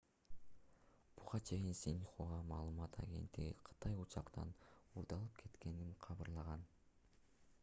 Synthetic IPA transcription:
b̥uʁɑt͡ʃʰe̞jinsinʲχoʁɑmɑːlˠɯmɑt̪ʰɑ̰ɡʲe̞̰nt̪ːiɡʲḭqʰɯ̥t̪ɑjut͡ʃʰɑqt̪ɑ̰nuɾd̪ɑlˠɯp̚kʰe̞t̪kʲe̞ninqʰɑβɯɾlˠɑʁɑn

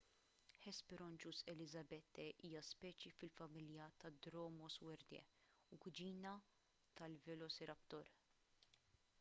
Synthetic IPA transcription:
ħɛspɪɾɔnt͡ʃusɛlɪzɐbɛt̪ːɛʔiːjɐspɛːt͡ʃifɪlfɐmɪljɐt̪ɐd̪ɾɔːmɔswɛɾd̪ɛ̰ | ʊkʊd͡ʒiːnɐ | t̪ɐlvɛlɔsiɾɐpt̪ɔɾ

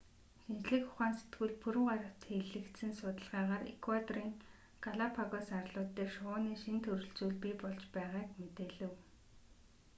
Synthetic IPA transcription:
ʃint͡ɕɮɘ̆kxʊ̥χæːnse̥t̪ɡɘ̆ɮpuɾɘ̆ŋɢaɾə̆w̥t̪ʰːeɮɘ̆kt̪sɘ̆nsʊt̪ə̆ɮʁaːʁaːɾḛkʰwat̪riːŋ | kʰaɮapʰaɣɔsarɮʊːt̪ːeːʃʊʊːniːʃint̪ʰɵɾɵ̆ɮt͡suːɮpipɔɮt͡ɕpæːʁaːkmet̪eːɮɘ̆w

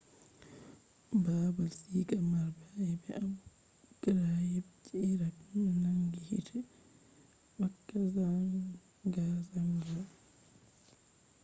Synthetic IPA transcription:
babalsiːkamaɾbajɛbɛʔabu | kɾajɛbt͡ʃiːɾaknaŋɡihḭtʰɛ | wakːasaŋ | ɡasaŋɡa

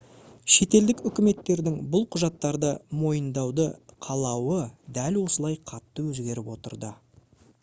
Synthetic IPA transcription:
ʃe̞t̪e̞ld̪ɪkʏkʲɪme̞t̪ːe̞ɾd̪ɪŋbʊlˠqʰʊʒɑt̪ːɑɾd̪əmo̞jənd̪ɑwd̪əqʰɑlˠɑwəd̪ælwo̞səlˠɑjqʰɑt̪ːəwɵzɡʲe̞ɾɪpwo̞t̪ə̰ɾd̪ə

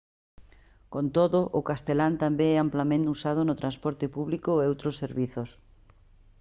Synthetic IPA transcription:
kont̪oðʊʔʊkast̪elant̪ambeɛamplamẽnt̪usað̞ʊnʊt̪ɾanspɔɾt̪ɪpuβlikʊeowt̪ɾosːeɾβiθos

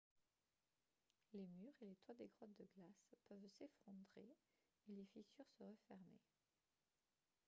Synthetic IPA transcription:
lemyʁelet̪wad̪eɡʁɔt̪̚d̪əɡlaspœvsefχɔ̃d̪ʁe | elefisyʁsəʁəfɛʁmḛ

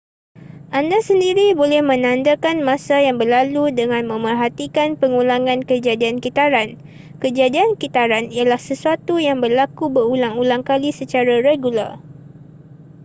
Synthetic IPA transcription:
ʔandasəndiɾibolɛhmə̃nãndakanmãsajaŋbərlaludəŋãnmə̃mərɦat̪ikanpəŋulaŋãnkəd͡ʒadiankit̪aɾan | kəd͡ʒadiankit̪aɾanijalahsəsuat̪ujaŋbərlakubəulaŋulaŋkalisət͡ʃaɾaɾeɡula̰r

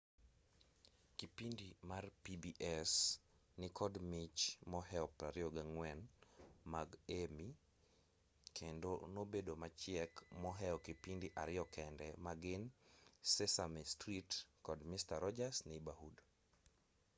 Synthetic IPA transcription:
kipindimarpibiʔɛs | nɪkɔdmit͡ʃmɔɦɛɔpaɾɪɔɡaŋwɛnmaɡemi | kʰendonobedomat͡ʃɪɛkmɔɦɛɔkɪpindiʔaɾɪɔkɛndɛmaɡɪnsɛsamɛstɾitkɔdmistaɾɔd͡ʒasnɛbahud

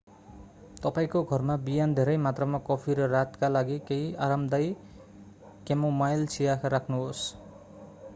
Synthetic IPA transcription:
t̪ʌpaĩkoɡʱʌrmabijand̪ʱeɾʌjmat̪rʌmakʌpʰiɾʌrat̪kalaɡikejaɾamd̪ʌj | kemomajlt͡sʰijakʰaɾakʰnuɦos

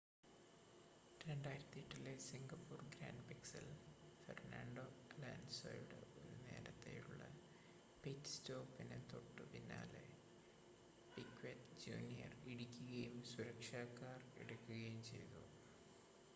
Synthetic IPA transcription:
ɾeɳɖaːjiɾɐt̪ːiiʈːilesiŋɡɐpːuːrɡɾa̰ːɳɖpiksɐlfḛrna̰ːɳɖo̞laːnso̰jɖɨ̰oɾune̞̰ːɾɐt̪ːḛjṵɭːɐ | petstoːpinent̪oʈːɨpinːa̰ːlḛ | pikʋetd͡ʑṵːnijɐ̰riɽikʲːuɣɐjumsuɾɐkʂaːkːaːrḛɽukʲːuɣɐjumt͡ɕe̞jt̪u

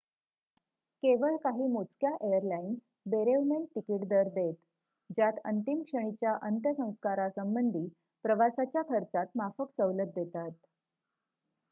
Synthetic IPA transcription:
keʋəɭkaɦiːmot͡skjaʔejəɾlains | beɾeʋnent̪ikiʈd̪əɾd̪et̪ | d͡ʑjat̪ə̰nt̪imkʂəɳ̃it͡ɕjaʔənt̪jəsə̃w̃skaɾasəmbənd̪ʱiː | pɾəʋasat͡ɕjakʰəɾt͡sat̪mafəksəʋlət̪̚d̪et̪at̪

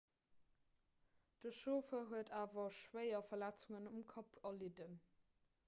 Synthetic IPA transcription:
d̥əʃoːfəɦuətʰaːvɐʃwəɪɐfɐlæt͡suŋənumkʰɑpʰɐlidən

